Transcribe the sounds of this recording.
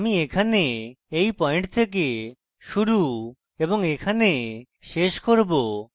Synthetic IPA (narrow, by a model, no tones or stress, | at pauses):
amiekʰane | ejpɔeɳʈt̪ʰek̬e | ʃuɾu | eboŋekʰane | ʃeʃkoɾbo